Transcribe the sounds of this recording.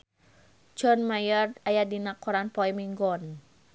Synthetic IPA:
d͡ʒɔnmajɔrajadinakːɔɾanpɔɛmiŋɡɔn

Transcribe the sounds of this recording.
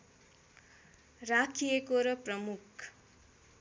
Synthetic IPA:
rakʰijekoɾʌprʌmukʰ

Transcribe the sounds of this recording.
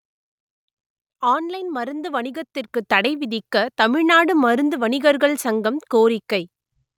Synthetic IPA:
aːnlɐɪnmɐɾɯnd̪ɯʋɐɳɪɣɐt̪ːɪrkɯt̪ːɐɽɐɪʋɪðɪkːɐt̪ɐmɪɻnaːɽɯmɐɾɯnd̪ɯʋɐɳɪɣɐɾɣɐɭsɐŋɡɐmkoːɾɪkːɐɪ

